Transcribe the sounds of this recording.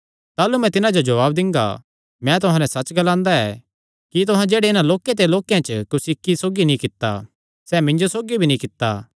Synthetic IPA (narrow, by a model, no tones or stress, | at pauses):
t̪aːlumɛ̃t̪ɪnãd͡ʒod͡ʒɐʋaːb̚d̪ɪ̃ŋɡa̰ | mɛ̃t̪̬ʊɦãnɛ̃sɐt͡ʃɡɐlãːnd̪aɛː | kit̪̬ʊɦãd͡ʒeːɽeɪnãloːket̪̬eloːkjãt͡ʃəkʊsikːisoːɡinĩkɪt̪ːa̰ | sɛːmɪ̃ɲd͡ʒosoːɡibʱinĩkɪt̪ːaː